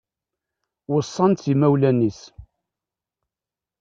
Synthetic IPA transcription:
wəsˤːɑnt̪imæwlænis

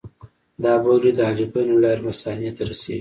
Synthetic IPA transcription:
d̪ɑbawlid̪ɑlibanolɑɾmasɑnjat̪aɾasḛɡi

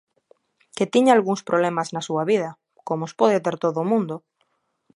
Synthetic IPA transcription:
ket̪iɲaalɣuŋspɾoβlemaznasuɐβið̞ɐ | komospɔð̞ɪt̪eɾt̪oðʊmũnd̪ʊ

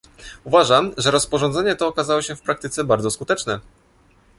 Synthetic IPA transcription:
uvaʐamʐɛɾɔspɔʐɔ̃nd̪zɛɲɛt̪ɔːkazawɔɕɛfpɾak̚t̪ɘt̪sɛbaɾd̪zɔskut̪ɛt͡ʂnɛ

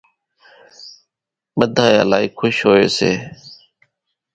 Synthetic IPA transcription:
ɓəd̪ʱaːja̰ːlaːiːkʰʊʃɦoːeːsḛː

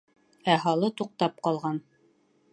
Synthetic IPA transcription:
æɦɑlˠɤt̪uq̚t̪ɑp̚qɑlˠʁɑn

